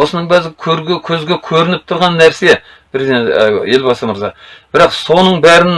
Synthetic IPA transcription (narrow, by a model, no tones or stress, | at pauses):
osənəɴbæzʲkʲʰɵɾɡʲekʲʰɵzɡʲe̞kʲʰɵɾɪnɪp̚t̪ʰʊɾʁɑnːæɾse̞ | pʰɾezeje̞lbɑsəməɾzɑb̥ɪɾɑqso̞nəɴbæɾɪn